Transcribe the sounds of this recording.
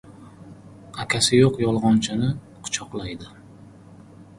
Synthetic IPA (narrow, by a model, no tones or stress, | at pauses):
akʲʰasɪjoqjɒlˠʁɒnt͡ʃʰanɪ | qʰʊ̥t͡ʃʰɒqlˠajd̪ɪ